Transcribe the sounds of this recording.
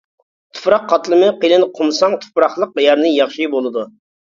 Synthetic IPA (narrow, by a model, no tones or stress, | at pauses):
t̪ʰu̥pɾɑqʰːɑt̪lˠɨmɨqelɪnqʰʊmsɑŋt̪ʰu̥pɾɑχlˠəq̚jæɾnɪjɑχʃibolˠɨd̪u